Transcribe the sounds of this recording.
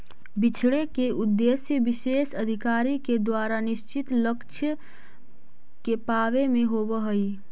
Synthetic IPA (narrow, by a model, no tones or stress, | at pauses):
bit͡ʃʰɽekeʔud̪ːesjəbisesəd̪ʱikaɾiked̪waɾaniʃt͡ʃit̪ləkt͡ʃʰjə | kepaʋemeɦobəɦəj